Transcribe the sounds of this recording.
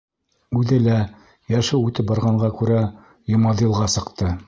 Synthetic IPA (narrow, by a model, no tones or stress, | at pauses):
ʉðɘlæ | jæʃɘwʉt̪ɘp̚bɑɾʁɑɴɢɑkʉɾæ | jŏmɑd̪ilˠʁɑsɤ̆qt̪ɤ